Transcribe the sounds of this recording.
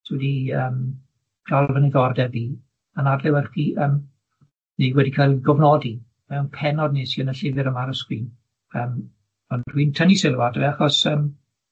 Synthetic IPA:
swɛdiəːm | ɡ̥ʰalˠvənɪðɔrdɛviː | ənadlɛwɛrχiːʔəm | niwɛdikʰajlɡɔvnɔdi | mɛwnpʰɛnɔdnisiənəɬɪvɨɾəmaɾəskwiːn | əːm | ɔndr̥wiːntʰənisɪlˠwad̥əvɛaχɔsəːm

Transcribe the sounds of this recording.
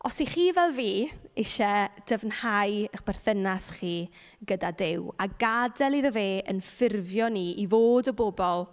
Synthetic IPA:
ɔsiχiːvɛlˠviːɪʃɛd̥əvnhajəχb̥ɛr̥θənasχiː | ɡədadɪwaɡadɛlˠiðəveːʔənfɪrvjɔniʔivoːdɔbobɔlˠ

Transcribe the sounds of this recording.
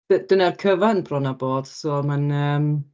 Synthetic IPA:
d̥ədənarkʰəvanbrɔnaboːd̥soːmanəːm

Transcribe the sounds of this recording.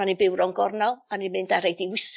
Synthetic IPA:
anibɪwɾɔnɡɔrnɔanimɨndaɾejdiwɪs

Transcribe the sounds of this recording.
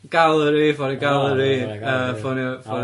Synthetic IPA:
ɡ̥alˠəɾiːvɔɾiɡalˠəɾiːəfʊnfʊ

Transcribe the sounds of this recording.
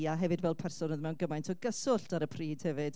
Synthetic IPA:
aɦɛvɨdvɛlˠpʰɛrsɔnɔðmɛwnɡəmajntʰɔɡəsʊɬtaɾəpʰriːd̥hɛvɨd̥

